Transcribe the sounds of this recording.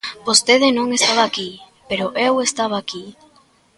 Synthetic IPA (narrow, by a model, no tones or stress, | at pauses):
bost̪eð̞enõŋest̪aβaːki | peɾoʔewest̪aβ̞aːki